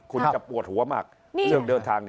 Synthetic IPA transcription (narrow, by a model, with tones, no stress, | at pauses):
kʰu˧nt͡ɕa˨˩pu˨˩ət̪̚hu˨˩˦ɐma̰ː˨˩k̚ː | sɯ˧˩əŋdɤː˧nt̪ʰaː˧ŋn˧